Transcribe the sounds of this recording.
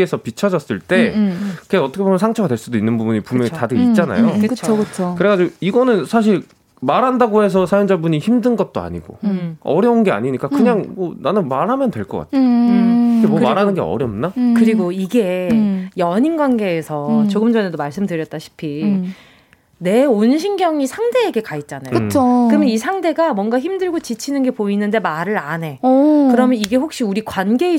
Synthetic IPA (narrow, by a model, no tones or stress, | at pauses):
esʰʌpit͡ɕʰʌd͡ʑʌs͈ɯɭt͈e̞kɯɡeʌt͈ʌkʰebomjʌnsʰaŋt͡ɕʰʌɡadwe̞ɭs͈udoinːɯnbubuɲipumjʌŋitadɯit͡ɕ͈ana̰jokɯkɯt͡ɕʰokɯɾe̞kad͡ʑioiɡʌnɯnsʰaɕ̬ʰiɭ | maɾɦandaɡoɦe̞s̬ʰʌsʰajond͡ʑabuɲiçimdɯnɡʌt̚t͈oa̰ɲiɡo̰ʌɾjʌunɡe̞a̰ɲiɲik͈akɯɲaŋmʌnanɯnmaɾɦamjʌndwe̞ɭk͈ʌk͈a̰tʰeiɡemʌmaɾɦanɯnɡeʌ̰ɾjʌmnakɯɾiɡoiɡe̞jʌɲinɡwanɡe̞ːsʰʌt͡ɕoɡɯmd͡ʑʌne̞domaɭs͈ɯmdɯɾjʌt̚t͈aɕʰi̥pʰi | ne̞onɕʰinɡjʌŋisʰaŋde̞ːɡe̞kait̚t͡ɕ͈anajɯt͡ɕʰokɯmjʌnisʰaŋde̞ɡamwʌŋɡaçimdɯɭɡot͡ɕit͡ɕʰinɯnɡe̞poinɯnde̞maɾɯɾane̞kɯɾʌmjʌniɡe̞ɸok̚ɕ͈iuɾikwanɡe̞i